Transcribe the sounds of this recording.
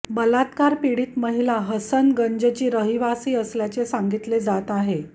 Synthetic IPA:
bəlat̪kaɾpiɽiːt̪məɦilaɦəsənɡəɲd͡ʑət͡ɕiːɾəɦiʋasiːəsljat͡sesaŋɡit̪led͡zat̪aɦe

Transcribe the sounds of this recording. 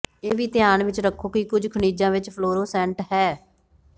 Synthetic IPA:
eːʋiːt̪ɪjaːnʋɪt͡ʃɾəkʰːoːkikʊd͡ʒkʰəɳiːd͡ʒãːʋɪt͡ʃpʰloːɾoːsɛ̃ːɳʈɦɛː

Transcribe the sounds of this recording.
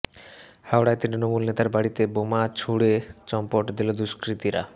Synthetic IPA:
hawɽajt̪ɾit̪ɾinomulnet̪aɾbaɽit̪ebomat͡ɕʰuɽet͡ɕɔmpoʈd̪ilod̪uʃkɾit̪iɾa̰

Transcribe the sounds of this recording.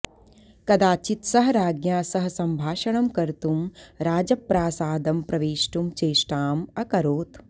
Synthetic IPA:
kɐd̪aːt͡ʃit̪sɐɦɐɾaːɡjaːsɐɦɐsɐmbʱaːʃɐɳɐmkɐɾt̪umɾaːd͡ʒɐpːɾaːsaːd̪ɐmpɾɐʋeːʃʈumt͡ʃeːʂʈaːmɐkɐɾoːt̪

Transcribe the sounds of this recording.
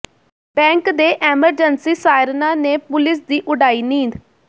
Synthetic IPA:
bɛ̃ːŋkd̪eːʔɛːməɾd͡ʒənsiːsaːjɪɾnãːneːpʊlɪs̬d̪iːʔʊɖaːiːnĩːnd̪

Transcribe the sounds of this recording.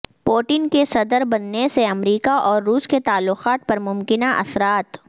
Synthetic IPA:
poːʈɪnkesɐd̪əɾbɐnːeseɐmɾiːkaʔɔːɾːuːsket̪aːlːʊqaːt̪̚pɐɾmʊmkɪnaʔɐ̰sɾaːt̪

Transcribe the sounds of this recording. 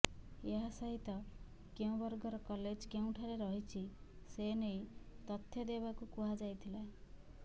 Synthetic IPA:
eɦasaɦit̪ɔ | keũbɔɾɡɔɾɔkɔled͡ʒkeũʈʰaɾeɾɔɦit͡ʃʰi | senejt̪ɔt̪ʰːjɔd̪ebakukuɦad͡ʒajt̪ʰilae

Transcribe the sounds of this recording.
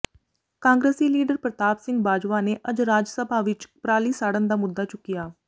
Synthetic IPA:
kãːŋɡɾeːsiːliːɖəɾpɾət̪aːbsɪ̃ŋɡbaːd͡ʒʋaːneːʔəd͡ʒɾaːd͡ʒsəbʱaːʋɪt͡ʃpɾaːliːsaːɽənd̪aːmʊd̪ːaːt͡ʃʊkːɪjaː

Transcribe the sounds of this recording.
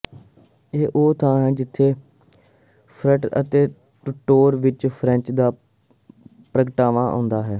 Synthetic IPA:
eːʔoːt̪ãːɦɛːd͡ʒɪt̪ʰːeː | pʰɾəʈə̰t̪eː | ʈʊʈːoːɾʋɪt͡ʃpʰɾɛ̃nt͡ʃd̪aː | pɾəkəʈaːʋãːʔõ̰ːnd̪aːɦɛː

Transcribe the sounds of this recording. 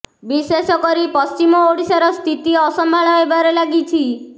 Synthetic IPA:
bisesɔkɔɾipɔst͡ʃimɔoɽisaɾɔst̪ʰit̪iɔsɔmbʱaɭɔebaɾelaɡit͡ʃʰi

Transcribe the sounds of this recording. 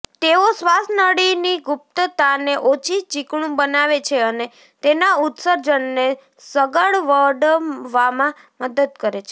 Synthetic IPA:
t̪eosʋasnəɽiniɡʊp̚t̪ət̪aneʔot͡ʃʰit͡ʃikɳ̃ũbənaʋet͡ʃʰeəne | t̪enaut̪səɾd͡ʒənːe | səɡəɭʋəɖʋamã | məd̪əd̪kəɾet͡ʃʰe̥

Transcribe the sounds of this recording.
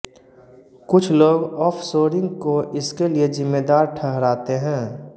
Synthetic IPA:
kʊt͡ʃʰloːɡɔːpʰsoːɾɪ̃ŋɡkoʔɪskeliezɪmːeːd̪aːɾʈʰɛɦɾaːt̪eɦɛ̃ː

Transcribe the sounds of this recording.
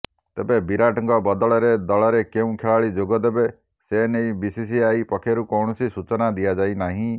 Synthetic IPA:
t̪ebebiɾaʈɔŋkɔbɔd̪ɔɭɔɾed̪ɔɭɔɾekeũkʰeɭaɭid͡ʒoɡɔd̪ebe | senejbisis̬iaipɔkʰjɔɾukɔwɳɔsisut͡ʃɔnad̪iad͡ʒajnaɦĩ

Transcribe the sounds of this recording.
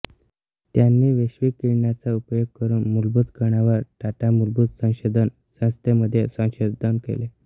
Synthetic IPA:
t̪janːiːʋeɕʋiːkiɭɳjat͡saupjoɡ̚kəɾuːnmulbud̪kəɳaʋəɾʈaʈamulbud̪sə̃w̃ɕod̪ʱən | sə̃st̪eməd̪ʱːjesə̃w̃ɕod̪ʱənkḛle

